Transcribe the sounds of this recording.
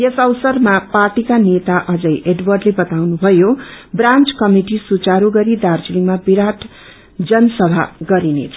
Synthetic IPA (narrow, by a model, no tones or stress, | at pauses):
jesʌwsʌrmaparʈikanet̪aʔʌd͡zʌjʔeɖwʌrɖlebʌt̪awnubʱʌjobrãnt͡skʌmiʈisut͡saɾoɡʌɾid̪art͡siliŋmabiɾaʈʰ | d͡zʌnʌsʌbʱa̰ɡʌɾinet͡sʰʌ